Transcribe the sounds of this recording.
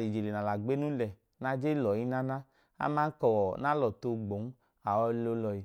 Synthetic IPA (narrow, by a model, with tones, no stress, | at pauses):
li˨d͡ʒe˨le˨na˨la˨ɡ͡be˦nũ˦lɛ˨ | na˧d͡ʒe˦lɔ˨ji˦na˦na˦ | a̰˧˦ma˦kɔ˨wɔ˨na˦lɔ˨to˧ɡ͡bo˨˦n˦ | a˨wɔ˧˦lo˦lɔ˧ji˨